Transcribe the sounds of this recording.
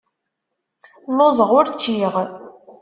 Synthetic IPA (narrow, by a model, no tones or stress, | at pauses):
lozˤəʁʊɾt͡ʃːiʁ